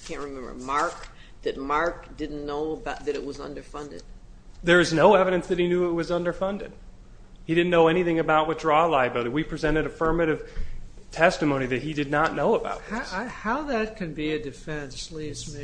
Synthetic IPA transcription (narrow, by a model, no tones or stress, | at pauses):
kʰæ̃nt̚ɹɨmɛ̃mbə̰˞mɑɹk | ðɨt̚mɑɹk̚d̥ɪdⁿn̩noʊəbaʊt̪̚ðɨɾɨt̚wʌzʌ̰̃ndə˞fʌ̃ndɨ̰d̥̚ | ðə˞ʌznoʊɛvɨɾɨ̃nsðɨt̚hinjʉɪt̚wʌzʌ̃ndə˞fʌ̃ndɨ̰d̥̚ | hiɾɪdⁿn̩nːoʊɛñiθɪ̃ŋɨbaʊt̚wɨt͡ʃɹɔlaɪɨbɪlˠɨɾiwipʰɹ̥izɛ̃ɾ̃ɨɾɨfɜ˞mɨɾɨv̥ | tʰɛstɨmõʊ̃niðɨt̚hidɨdⁿnətⁿnoʊəba̰ʊt̪̚ðhaʊðɨt̚kʰɨ̃nbiɨdɨfɛ̃nslism